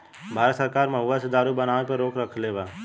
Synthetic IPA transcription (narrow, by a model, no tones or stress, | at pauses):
bʱaːɾət̪səɾkaːɾmə̃ɦʊʋəsəd̪aːɾubənaːʋ̃epəɾoːkɾəkʰleːʋaː